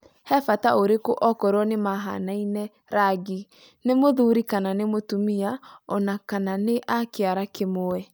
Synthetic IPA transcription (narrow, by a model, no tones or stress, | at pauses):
hɛfataoɾekoʔɔkɔɾɔnemaɦa̰nainɛ | ɾaɡi | nemoðuɾikananemotumiaɔnakananeʔakeaɾakemoɛ